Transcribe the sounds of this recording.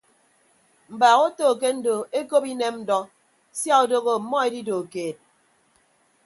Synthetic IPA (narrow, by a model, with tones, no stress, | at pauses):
m̩˨baː˨ɣo˦toː˦˨k̬e˦n̩˦do˨e˦ko˦pi˦ne˦mn̩˦dɔ˦ | sja˦o˨do˦ɣo˨mɔ˦e˦di˦do˨keː˨t̚